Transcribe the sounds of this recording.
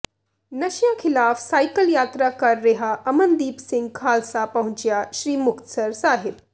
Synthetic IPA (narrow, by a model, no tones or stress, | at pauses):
nɐʃjãkʰɪlaːfsaːjkəljaːt̪ɾakɐɾːeɦaʔɐmənd̪iːpsɪ̃ŋɡ̚kʰaːlsapɐɦʊ̃t͡ʃjaʃɾiːmʊkt̪səɾsaːɦɪb